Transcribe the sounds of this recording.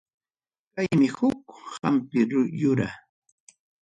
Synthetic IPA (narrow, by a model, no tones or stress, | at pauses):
kajmɪhʊkhampɪɾjʊɾa̰